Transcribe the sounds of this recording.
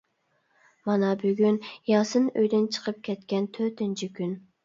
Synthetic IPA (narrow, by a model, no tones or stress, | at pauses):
mɑnɑbyɡʲynjɑsɨnøjd̪ɪnt͡ʃʰə̥qʰəp̚kʲʰɛt̪kʲɛnt̪ʰøɾt̪ɪnt͡ʃʰikʲyn